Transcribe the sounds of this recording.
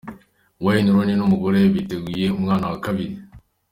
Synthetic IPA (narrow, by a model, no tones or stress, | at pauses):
wajiniɾoninomuɡoɾeβiteɡijeumŋaːnawakaβiɾi